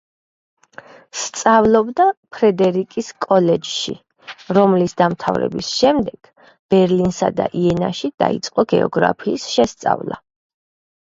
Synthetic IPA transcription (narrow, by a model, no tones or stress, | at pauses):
st̪sʼavlˠɔbd̪apʰɾɛd̪ɛɾikʼiskʼɔlɛd͡ʒʃḭ | ɾɔmlisd̪amt̪ʰavɾɛ̰bisʃɛmd̪ɛɡ̥ | b̥ɛɾlinsad̪a̰ʔiɛnaʃid̪̥a̰it̪sʼqʼɔɡɛ̰ɔ̰ɡɾa̰pʰiːsʃɛst̪sʼa̰vlˠa̰